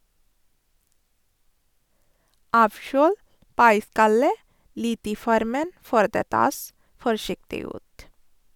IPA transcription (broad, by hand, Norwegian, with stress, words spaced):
ˈɑːʋˌʃøːl ˈpɑɪˌskɑlə ˈlɪt ˈiː ˈfɔɾmən ˈføːɾ ˈdeː ˈtɑːs fɔɾˈʃɪktɪ ˈʉːt